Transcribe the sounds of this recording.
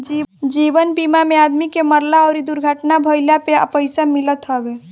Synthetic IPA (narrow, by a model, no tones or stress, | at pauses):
d͡ʒid͡ʒiʋənbimamead̪mikeməɾlaɔːɾid̪uɾɡʱəʈnabʱəɪljapeə̰pəɪsamilət̪ɦɔbe